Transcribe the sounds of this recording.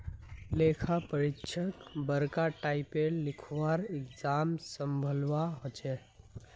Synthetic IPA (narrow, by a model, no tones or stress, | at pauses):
lekʰapəɾitːt͡ʃʰəkbəɾkaʈaipelikʰʋaɾɪkd͡ʒamsəmbʱəlʋaɦot͡ʃe